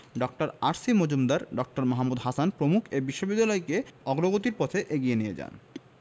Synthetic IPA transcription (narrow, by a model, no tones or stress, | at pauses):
ɖɔk̚ʈaɾaɾsimod͡ʑumd̪aɾɖɔk̚ʈaɾmaɦamːud̪ɦasanpɾomukʰebiʃːobid̪ːalɔekeɔɡɾoɡot̪iɾpɔt̪ʰeʔeɡijenijed͡ʑa̰n